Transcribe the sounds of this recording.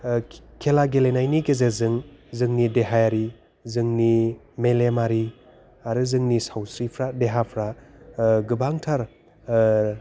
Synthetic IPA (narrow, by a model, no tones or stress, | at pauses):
kʰelaɡelenajnikezezɯŋzɯŋnideɦajaɾi | zɯŋni | melemaɾi | aɾɯzɯŋnisawsɾipʰɾadeɦapʰɾa | ɡɯbaŋtʰaɾ